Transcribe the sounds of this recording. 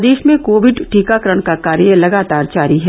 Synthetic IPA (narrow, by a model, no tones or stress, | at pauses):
d̪eːʃmẽkoːʋɪɖʈiːkakəɾəɽ̃kakaːɾjəlɐɡaːt̪aːɾd͡ʒaːɾiɦɛ